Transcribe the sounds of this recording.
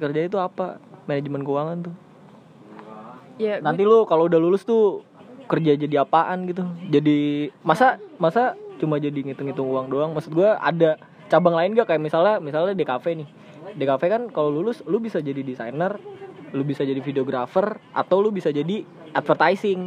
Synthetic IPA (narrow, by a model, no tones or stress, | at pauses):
kərd͡ʒait̪̬uapamened͡ʒmɛnkəuwaŋant̪ʊ | janant̪ilʊkaloudahlulʊst̪ʊ | kərd͡ʒad͡ʒadiapaʔanɡit̪ud͡ʒadimasamasat͡ʃumad͡ʒadiŋit̪ʊŋit̪ʊŋuaŋdoaŋmasʊt̪̚ɡuaʔa̰da | t͡ʃabaŋlaɪnɡakajaʔmisalamisaladekafɛnɪh | dekafɛkankalolulʊslʊbisad͡ʒadidisajnərlʊbisad͡ʒadifideoɡɾafərʔa̰t̪awlʊbisad͡ʒadi | ʔat̪̚fərt̪ajsɪŋ